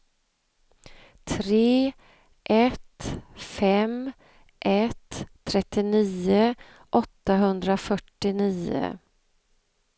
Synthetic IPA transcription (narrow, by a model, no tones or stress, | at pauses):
t̪ʰɾeː | ʔɛt̪fɛm | ʔɛt̪ʰːɾɛt̪ːɪniːə | ʔɔt̪ːaɦɵnd̪ɾafœʈːɪniːə̰